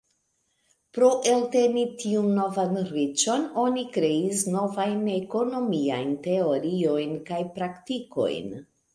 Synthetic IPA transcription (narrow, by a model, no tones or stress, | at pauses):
pɾo̞ʔe̞lte̞nitʰiunːo̞vanɾit͡ʃo̞no̞nikɾe̞isno̞vajneko̞no̞mia̰jnte̞o̞ɾio̞jnkajpɾaktiko̞̰jn